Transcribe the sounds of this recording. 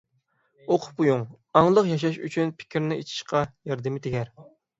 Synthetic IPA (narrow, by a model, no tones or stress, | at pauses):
oqʰʊ̥pujuŋ | ɑŋlˠəqjɑʃ̬ɑʃy̰t͡ʃʰynpʰɪ̥kʲʰɪɾnɪḛt͡ʃʰi̥ʃqʰɑjɑɾd̪ɨmɪt̪ʰɪɡʲɛɾ